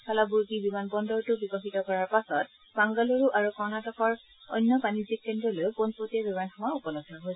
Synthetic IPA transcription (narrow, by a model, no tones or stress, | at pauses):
kʰalabuɹɡibimanbɔndɔɹtʊbikɔxitɔkɔɹaɹpasɔt | baŋɡɔloɹuʔaɹukɔɹnatɔxɔɹ | ɔ̰jnːjɔpanizik̚ːendɔlojponpɹotiɛbimanxɔmaupɔlɔsɔɹɦojsɛ